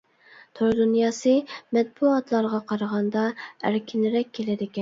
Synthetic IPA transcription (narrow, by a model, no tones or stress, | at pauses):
t̪ʰoɾd̪unjɑːsɨmɛt̪̚buɑt̪lˠɑɾʁɑqʰɑɾəʁɑnd̪ɑæɾkʲʰinɪɾɛkʲʰːelɪd̪ɪkʲɛn